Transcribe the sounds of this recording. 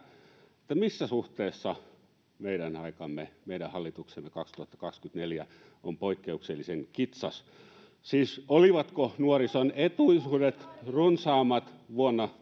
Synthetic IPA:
ĕt̪ːæmisːæsuht̪eːsːɑ | meiɾænɑikɑmːemeiɾæhɑlːit̪uksemːekɑkst̪uhɑt̪ːɑ̥kɑkskyt̪neljæ | ompoikːeukselːiseŋkit̪sɑs | siːsoliʋɑt̪konuorisonet̪uisuːdet̪runsɑːmːɑt̪ʋuonːɑ

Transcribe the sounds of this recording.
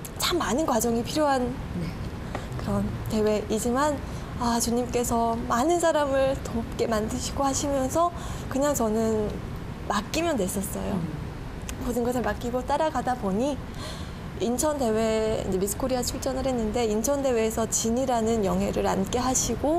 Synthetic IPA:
t͡ɕʰamːanɯnɡwad͡ʑʌŋipʰiɾjoɦan | kɯɾʌnte̞we̞ʔid͡ʑiman | at͡ɕuɲimk͈e̞sʰʌmanɯnsʰaɾamɯɭtop̚k͈e̞mandɯɕʰiɡohaɕʰimjʌns̬ʰʌ | kɯɲaŋt͡ɕʌnɯn | mak͈imjʌndwe̞s͈ʌs͈ʌ̰jo | podɯnɡʌsʰɯɭmak͈iɡot͈aɾaɡadaboɲi | int͡ɕʰʌnde̞we̞ḭnd͡ʑe̞misʰɯ̥kʰoɾiat͡ɕʰuɭt͡ɕ͈ʌnɯɭhe̞nːɯnde̞int͡ɕʰʌnde̞we̞ːsʰʌt͡ɕiɲiɾanɯnjʌŋɦe̞ɾɯɾank͈e̞ɦaɕʰiɡo

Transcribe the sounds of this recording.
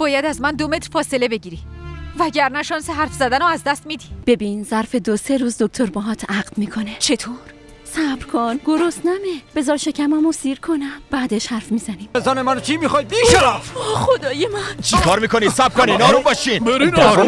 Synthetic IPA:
b̥ɒːjæd̪æzmænd̪ome̞t̪ɾfɒːse̞le̞be̞ɟiːɾivæɟæɾnæʃɒːnseɦæɾfzæd̪ænɔæzd̪æst̪mid̪ib̥e̞biːnzæɾfe̞d̪ose̞ɾuːzd̪ok̚ʲt̪ʰo̞ɾbɒɦɒːt̪ʰæɡlmiːkʰo̞ne̞t͡ʃʰe̞t̪ʰoːɾ | sæbɾkʰonɡ̥o̞ɾost̪næmeb̥e̞zɒːɾʃe̞cʰæmæmosiːɾkʰonæmb̥æːd̪eʃhæɾfmiːzæniːmezɒːnemænot͡ʃʰimixɒːjd̪̚b̪iʃeɾfɒχod̪ɒːjemænt͡ʃʰikʰɒːɾmiːkonid̪sæbɾkʰoninɒːɾumbɒːʃineɾinɾu

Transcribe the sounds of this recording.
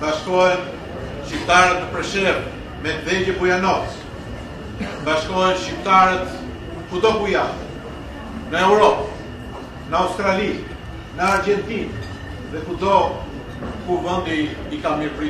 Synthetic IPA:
baʃkɔjɛn | ʃip̚t̪aɾɛt̪əpɾɛʃɛɾ | mɛvɛd͡ʒəbujanɔt | baʃkɔɛnʃip̚t̪aɾɛt̪ | kud̪ɔkuja | nəɛwɾɔp | nəawst̪ɾali | nəaɾd͡ʒɛnt̪in | ðɛkud̪ɔ | kuvənd̪iikamiɾpɾi

